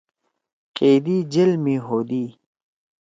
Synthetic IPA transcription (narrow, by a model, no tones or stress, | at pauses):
keːd̪iːd͡ʑelmiɦoːd̪iː